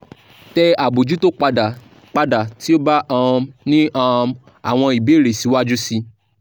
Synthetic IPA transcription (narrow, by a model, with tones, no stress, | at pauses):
tɛ˧a˨bo˨d͡ʒu˦to˦k͡pa˧a˨ | k͡pa˧da˨ti˦o˦ba˦ʔã˧nĩ˦ã˧m | a̰˨w̃ɔ̃˧i˨be˨˦˨ɾe˨si˨˦wa˦d͡ʒu˦si˧